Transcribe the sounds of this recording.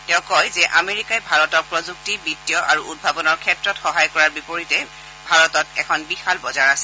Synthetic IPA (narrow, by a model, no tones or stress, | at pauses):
tɛʊ̃kɔjzɛʔameɹikajbʱaɹɔtɔɹpɹɔzuk̚tibitːijɔʔaɹuʔud̚bʱabɔnɔɹkʰɛtɹɔtxɔɦajkɔɹaɹbipoɹitɛ | bʱaɹɔtɔtɛkʰɔnbixalbɔzaɹasɛ